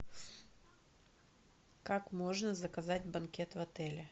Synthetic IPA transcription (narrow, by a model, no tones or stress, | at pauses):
kakmo̞ʐnəzəkɐzatʲbɐnkʲe̞t̪vɐt̪ɛlʲɪ